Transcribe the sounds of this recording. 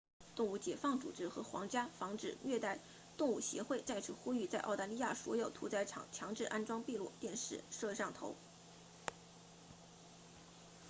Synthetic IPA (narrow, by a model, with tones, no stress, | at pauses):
t̪ʊ˥˧ŋu˥˩t͡ɕjɛ˨˩fɑ˥˩ŋt͡sṵ˨˩ʈ͡ʂɻ̩˥xɤ˧˥xwɑ̰˧˥ŋt͡ɕja˥fɑ˧˥ŋʈ͡ʂɻ̩˨˩ɥɛ˥˧t̪a˥˧ɪ | t̪ʊ˥˧ŋu˥˩ɕjɛ̰˧˥xwe˥˧ɪt͡sa˥˩ɪt͡s̩ʰ˧˥xu˥y˥˧t͡sa˥˧ɪʔɑ˥˩ʊt̪a˧˥li˥ja̰˥˩swɔ˧˥jo˨˩ʊt̪ʰṵ˧˥t͡sa˧˥ɪʈ͡ʂʰɑ̰˨˩ŋt͡ɕʰjɑ˧˥ŋʈ͡ʂɻ̩˥˩ʔa˥nʈ͡ʂwɑ˥ŋpi˥˧lu˥˩t̪jɛ˥˧nʂɻ̩˥˩ʂɤ˥˧ʂɑ˥˩ŋt̪ʰo̰˧˥ʊ